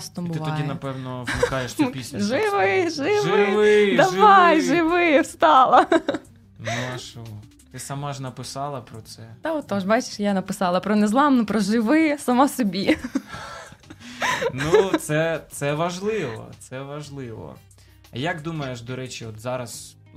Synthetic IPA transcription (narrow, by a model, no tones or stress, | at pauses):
st̪ɔmbʊɪʋt̪ɔɑjʲinɐpɛwnɔwmɪkɑjeʃsʲpʲisʲʒɪʋɪʒɪʋɪɪd̪ɐʋɑjʒɪʋɪwst̪ɑlˠɐ | nuɐʃu | t̪ɪsɐmaʒnɐpɪsɑlˠɐpɾɔt̪sɛt̪ɐɔt̪ːɔʒbɑt͡ʃɪ̥ʃjanɐpɪsɑlˠɐpɾɔnɛzlˠɑmnʊpɾɔʒɪʋɪsɐmɔsɔbʲi | nut̪sɛt̪sɛʋɐʒlˠɪʋɔ̰t̪sɛʋɐʒlˠɪʋɔ̰ | jakd̪umɐjeʃd̪ɔɾɛt͡ʃʲiɔt̪zɑɾɐz